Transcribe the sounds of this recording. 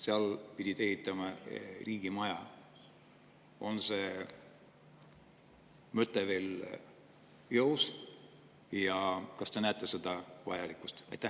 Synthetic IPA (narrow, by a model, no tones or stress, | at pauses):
seɑlpid̪̥ʲit̪ehit̪ˑːɑmɑriːɡ̥imɑjɑ | o̞nse̞ | møt̪ːˑeve̞ːl | jɤws | jɑkɑst̪e̞næːt̪ːˑese̞d̪̥ɑvɑ̰jɑlikˑust̪ɑ̰jt̪ːæ